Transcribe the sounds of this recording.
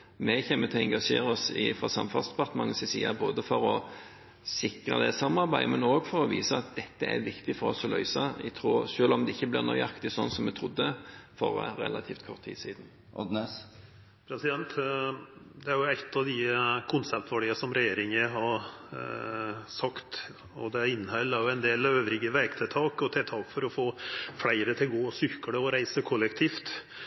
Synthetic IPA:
mɛçeːmːət̪ʰɪɛŋɡɑʂḛːɾəɔsɪ̰fɾɑ̰sɑmfɑnsd̪ɛpɑɾt̪əmɑŋːəsɪsḭːɑboːd̪əfɔɾɔ | sɪkɾɑ̰d̪ɛsɑmːɑɾbæɪmɛnoːɡfɔɾɔʋiːsəɑt̪̚d̪ɛt̪ːəæ̰ɾʋɪkt̪ɪfɔɾɔsɔlœ̰ʏsɑɪ̰t̪ʰɾuːʂøːlɔmd̪ɛɪçːəblɪʁɾnɔ̰ʏɑkt̪ɪsɔnːsɔmːɛt̪ʰɾʊd̪ːəfɔ̰ɾɾɛ̰lɑt̪ʰiːft̪kʰɔʁt̪ʰːi̥ːsiːd̪n̩ | ɔd̪nɛ | pʰɾɛsɪd̪ɛnt̪ | d̪ɛæɾjʊɛt̪ːɑʋd̪ɪkʰʊnsɛp̚t̪ʋæɖiːəsɔmɾɛjeːɾɪŋəɦɑ | sɑkt̪ | ɔd̪ɛæɾɪnːhœlːæɾjʊɛnd̪eːløːʋɾɪɡəʋɛkt̪ʰɪlt̪ʰɑːkɔt̪ʰɛt̪ʰɑːkfɔɾɔfoːflæɪɾət̪ʰɪlɡoːsʏkːəɽəɔɾæɪsəkʰɔlːɛkt̪ʰiːft̪

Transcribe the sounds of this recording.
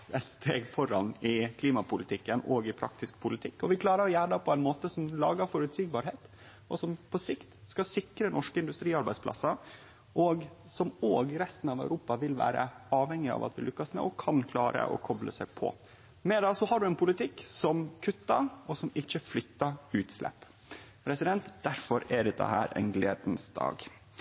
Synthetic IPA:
ɛt̪st̪ʰeːɡfɔɾɑ̰nɪkʰliːmɑpʰʊlɪt̪ʰɪkːənoːɡɪpʰɾɑ̰kt̪ɪsk̚pʰʊlɪt̪ʰɪkːɔʋɪkʰlɑːɾəɾɔjæːɖɑpʰɔæɪnmoːt̪əsɔmlɑ̰ːɡəɾfɔɾʉt̪siːɡ̚bɑːɾɦeːt̪ | ɔsɔmpʰɔsɪkt̪skɑsɪkɾənʔɔʂkəɪnd̪ʉst̪ɾiːɑɾbæɪspʰlɑ̰sːɑ | ʔoɡ | sɔmoːɡɾɛst̪n̩ɑʋæʉɾuːpɑʋɪlʋæ̰ːɾə̰ɑːʋhɛŋːɪɑ̰ʋɑ̰t̪ʋɪlʏkːɑsmɛ̰ʔɔkʰɑnkʰlɑːɾə̰ʔɔ̰kʰɔblə̰sæɪpʰɔ̰ | mɛd̪ɑsɔhɑɖʉɛnpʰʊlɪt̪ʰɪkːsɔmkʰʉt̪ːɑɔsɔmɪçːəflʏt̪ːɑʉːt̪slʔɛ̰pː | pʰɾɛsɪd̪ɛnt̪d̪̥æɾfɔɾæɖɛd̪ɛ̰ɦæ̰ːɾɛ̰ɪnɡlḛːd̪nsd̪ɑ̰ːɡ

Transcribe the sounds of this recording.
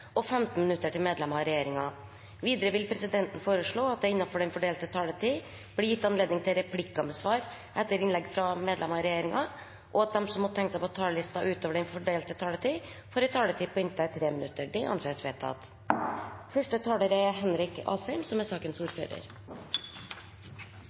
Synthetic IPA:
ɔfɛmt̪n̩mɪnʉt̪ːəʈɪlmeːd̪lɛmɑɾɛjeːɾɪŋɑ | ʋiːd̪əɾəʋɪlpʰɾɛsɪd̪ɛnt̪n̩foːɾəʂɭoːɑt̪̚d̪ɛɪnːɑfɔɖɛɪnfɔɖeːlt̪ət̪ʰɑːlət̪ʰiː | b̥lɪjɪt̪ːɑnleːd̪nɪŋt̪ʰɪlɾɛpʰlɪkːɑməsʋɑːɾ | ʔɛt̪ːəɾɪnlɛɡfɾɑmeːd̪lɛmɑɾɛjeːɾɪŋɑ | ʔɔɑt̪̚d̪ɛmsɔmːɔt̪ʰɛŋkəsæɪpɔt̪ʰɑːləlɪst̪ɑʔʉːt̪oːʋəɖɛnfɔɖeːlt̪ət̪ʰɑːlət̪ʰiː | fɔːɾɪt̪ʰɑːlət̪ʰiːpʰɔɪnt̪æt̪ʰɾeːmənʉt̪ːəɖɪʔɑ̰nseːsʋeːt̪ʰɑ̰t̪ | fœʂʈət̪ʰɑːləɾəɦɛnɾɪkɑ̰ːsɛɪmsɔmæsɑːkənsuːɾfø̰ːɾə̰ɾ

